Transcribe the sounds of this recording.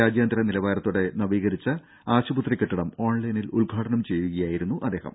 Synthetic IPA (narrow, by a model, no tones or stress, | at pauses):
aːd͡ʑjaːnd̪ɾɐnilɐʋaːɾɐt̪ːuɽe̞nɐʋiːɣɐɾit͡ɕːɐ | aːɕubut̪rikʲːiʈːiɽɐmo̞ːɳlɐjniluɭɡʱaːʈɐɳɐmt͡ɕe̞jʋiɣɐjaːjiɾunːuʔɐd̪ːeːɦɐ̰m